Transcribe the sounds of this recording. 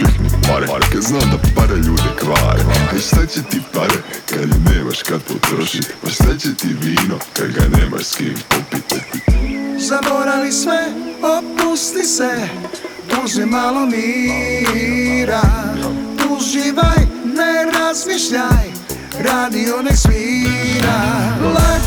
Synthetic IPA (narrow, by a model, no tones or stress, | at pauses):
eknikmaɾaɾkaznaːmd̪apaɾeʎuːd̪ikɾaːj̰aiʃt̪at͡ɕet̪ipaɾekad̪neːma̰ʃkad̪t̪ot̪ɾoʃit̪aʃt̪at͡ɕet̪iʋiːnoka̰d̪ɡa̰neːma̰ʃskiːmt̪opit̪at̪izaboɾalismɛopust̪isɛbuzɛmalomi | ɾa | uʒiʋajneɾazmiʃʎaj | ɾad̪ionɛksmiːɾala